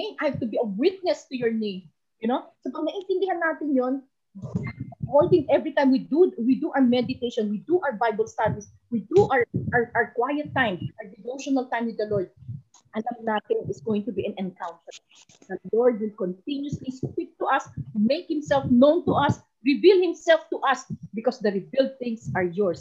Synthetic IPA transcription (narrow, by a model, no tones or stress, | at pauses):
ẽmʔajhavt̪ʊbiɐwɪt̪̚nɛst̪ujɔɹnẽɪ̃m | jʊnosopɐɡ̚nɐʔɪnt̪ɛ̃nd̪ɪhanːaːt̪ɪnjon | hold̪ɪ̃ŋʔɛvɹit̪ãjmwiduwid̪uʔawəmɛd̪ɪt̪ejʃɔ̃nwid̪uʔawɹbajbɐlst̪avis | wid̪uʔaɹʔaɹʔkwajɛt̪ːãɪmʔɐd̪ɪvowʃɔnɐlt̪ãjmwɪd̪ːɐlɔɹd̪̚ | ʔɐlɐmnaːt̪ɪnɪsɡowɪ̃ŋt̪ʊbiʔɐ̃nɛ̃nkãwnt̪əɹ | d̪ɐlɔɹd̪̚wɪlkɔ̃nt̪ɪ̃njʊsliskwip̚t̪ːuʔɐsmejk̚hɪ̃msɛlfnõwnt̪ʊʔɐs | ɹɪvilhɪ̃msɛlft̪uʔɐsbɪkɔsd̪ɐɹɪvild̪̚θɪ̃ŋsɐɹjɔɹs